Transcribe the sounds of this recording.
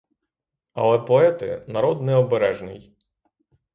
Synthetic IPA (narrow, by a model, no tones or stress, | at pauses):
ɐ̰lˠɛpɔɛt̪ɪ̰nɐɾɔd̪nɛɔbeɾɛʒnɪj